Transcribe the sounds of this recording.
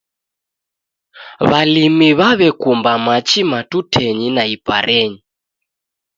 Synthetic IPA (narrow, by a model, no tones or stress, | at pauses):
βalimiβaβɛkumbamat͡ʃimatutʰɛɲinaipʼa̰ɾʔɛːɲi